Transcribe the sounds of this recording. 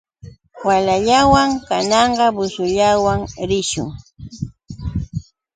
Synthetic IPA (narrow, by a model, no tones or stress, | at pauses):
walaʎawaŋkanɑɴɢɑbʊsʊʎawaŋɾɪʃʊ̰ŋ